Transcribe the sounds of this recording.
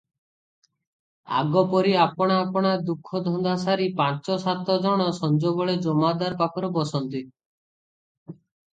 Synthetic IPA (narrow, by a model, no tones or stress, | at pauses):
a̰ɡɔpɔɾiapɔɽ̃aːpɔɽ̃aɾd̪ukʰːɔd̪ʱɔnd̪asaɾipãt͡ʃɔsat̪ɔd͡ʒɔɽ̃ɔsɔnd͡ʒoβɔɭed͡ʒɔmad̪aɾpakʰɔɾɔbɔsɔnt̪i